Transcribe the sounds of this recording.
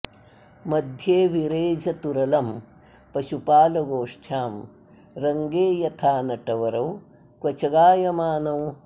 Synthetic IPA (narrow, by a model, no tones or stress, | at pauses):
mɐd̪ʱjeːʋiɾeːd͡ʒɐt̪uɾɐlɐm | pɐʃupaːlɐɡoːʂʈʰjaːm | ɾɐŋɡeːjɐt̪ʰaːnɐʈɐʋɐɾɐw | kʋɐt͡ʃɐɡaːjɐmaːnɐw